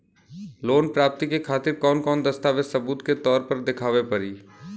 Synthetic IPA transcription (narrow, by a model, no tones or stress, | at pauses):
loːnpɾaːp̚t̪ikekʰaːt̪ɪɾkɔːnkɔːnd̪ɐst̪aːʋessɐbuːt̪ket̪ɔːɾpɐɾd̪ɪkʰaːʋepɐɾiː